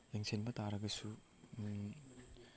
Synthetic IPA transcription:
jeŋsʰenbɐt̪aɾɐɡɐsu

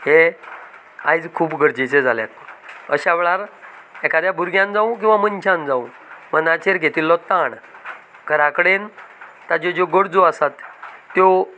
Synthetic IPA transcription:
ɦe | ajd͡zkʰuːpɡʱəɽd͡ʑet͡sed͡zʱaljat̪ːoəɕaʋeɭaɾɛkad̪jabʱuɾɡjãnd͡zaũk̬ĩw̃ʋamənt͡ɕʰãnd͡zaũ | mənat͡ɕeɾɡʱet̪ilːɔt̪aɳ | kəɾakəɽent̪ad͡ʑed͡ʑoɡəɽd͡zoasat̪ːjo

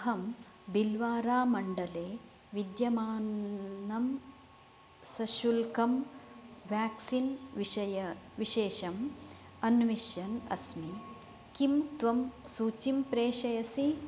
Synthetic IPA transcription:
ɦɐm | bilʋaːɾaːmɐɳɖɐleː | ʋid̪jɐmaːnɐm | sɐʃulkɐm | ʋjaːksinɐjɐʋiʃeːʃɐm | ɐnʋiʃjɐnɐ̰smi | kimt̪ʋɐmsuːt͡ʃimpɾeːʃɐjɐsi

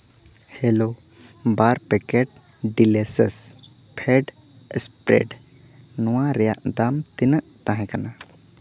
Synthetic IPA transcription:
helo | baɾpɛkeʈ̚ | ɖilesəs | pʰeɖ | spɾḛɖ | nɔwãɾjaʔd̪amt̪inəʔt̪ãɦɛ̃kana

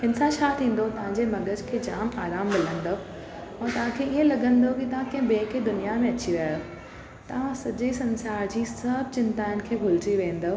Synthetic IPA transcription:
ɦɪnsãt͡ɕʰaːt̪ʰĩːn̆d̪opɐ̃ɦɪ̃ɲd͡ʑemɐɠʱəd͡ʑkʰeːd͡ʑaːmaːɾaːmbɪl̤ə̃nd̪o | ɛ̃ːt̪ɐʋ̤ãkʰeiə̃lɐɠə̃nd̪okit̪ɐʋ̤ãkẽɦbeːked̪ʊnijamẽɐt͡ɕiɾaːjo | t̪ɐʋ̤ãsɐʄesɐ̃nsaːɾd͡ʑiːsɐbʱt͡ɕɪnt̪aːɪʊn̆kʰeːbʱʊlt͡ɕiʋẽːn̆d̪o

